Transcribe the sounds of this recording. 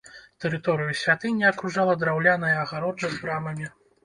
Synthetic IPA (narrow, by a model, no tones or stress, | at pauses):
t̪ɛɾɨt̪ɔɾɨjusʲvʲat̪ɨnʲːiɐkɾuʐalˠɐd̪ɾawlʲanɐjɐɐɣaɾɔd͡ʐɐzɾamɐmʲi